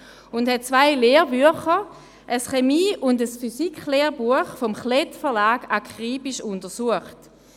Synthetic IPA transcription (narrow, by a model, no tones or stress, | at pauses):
ʊndhɛt̚t͡svaɪleːʁbyəχə | ʔəsχemiːʊndəsfysikχleːʁbuəχfomχletfəɐlaːɡ̥akʁiːbiʃʊntəsuəχt